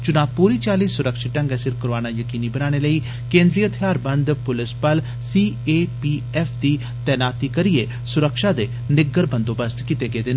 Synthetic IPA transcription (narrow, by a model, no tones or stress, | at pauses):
t͡ʃʊnaːpuːɾiːt͡ʃaːliːsːʊɾəkʃiʈə̃ŋɡɛsɪɾkʊɾʋaːnaːjəkiːniːbənaːɽ̃eləiː | kẽːnd̪ɾiːət̪ʰijaːɾbənd̪pʊlɪspəl | siːeːpiː | ɛːpʰd̪iː | t̪ɛːnaːt̪iːkəɾiːeː | sʊɾəkʃaːd̪eː | nɪɡəɾbə̃nd̪oːbəst̪kit̪eɡeːd̪ɪn